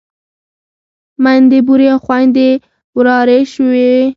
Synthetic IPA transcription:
mand̪ebuɾjɑxwand̪e | wɾɑːɾeʃuwe

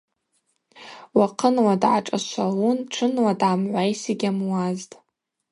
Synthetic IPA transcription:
waqʰənwadʕa̰ʈ͡ʂʼaʃʷalunʈ͡ʂʰɨnwadʕamʕʷajsiɡʲamwaztʼ

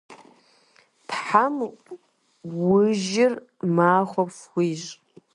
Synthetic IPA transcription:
tʰħam | wʊʒɪr | maːχʷapfʷiɕ

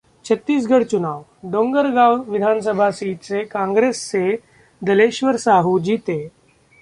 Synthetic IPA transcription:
t͡ɕʰət̪ːiːs̬ɡʱəɽt͡ɕunaːʋ | ɖõŋɡəɾɡawʋid̪ʱans̬əbʱasiːʈ̪sekãŋɡɾesse | d̪əleɕʋəɾsaɦud͡ʑiːt̪e

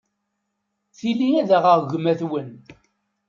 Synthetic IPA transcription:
θilːiæðæʁəʁʝʷəmæθwən

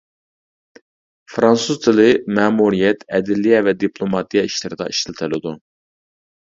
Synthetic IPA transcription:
fɾɑnsuzt̪ʰɨlˠɨmæːmuɾijɛt̪ʰɛd̪ɪlijɛvɛd̪ipʰlˠomɑt̪ʰijɑiʃlɪɾɨd̪ɑ̰ʔiʃʰilt̪ʰɪlɪd̪u

